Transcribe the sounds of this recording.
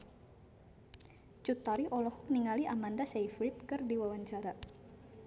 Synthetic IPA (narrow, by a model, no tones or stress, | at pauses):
t͡ʃut̪aɾiʔɔlɔhɔk̚niŋaliʔamandasejfɾit̪̚kɨrdiwawaɲt͡ʃaɾa